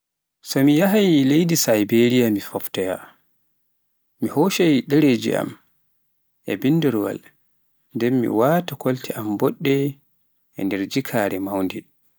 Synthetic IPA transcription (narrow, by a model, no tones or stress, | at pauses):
sɔmijaɦajlejdisajbeɾijamifɔftɛja | mihɔʃajɗɛɾeːd͡ʒḭʔa̰m | ʔɛbindɛɾwa̰l | ndɛmːḭwaːtakɔltʰɛʔambɔɗːɛ | ɛ̰ndɛɾd͡ʒikʰaːɾɛmawndi